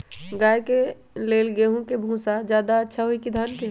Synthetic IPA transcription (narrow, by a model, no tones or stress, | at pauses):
ɡaːjke | leːlɡeɦũkebʱũːsad͡ʒjaːd̪aətːʃʰaɦoikid̪ʱaːnke